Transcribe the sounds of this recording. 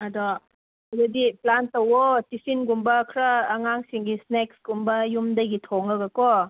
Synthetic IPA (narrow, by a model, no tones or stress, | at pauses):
adɔ | zadiplantɐwɔtisinɡumbɐkʰɾaːŋaŋsiŋɡisnek̚sɡ̥umbɐjumdaɡitʰɔŋaɡakɔ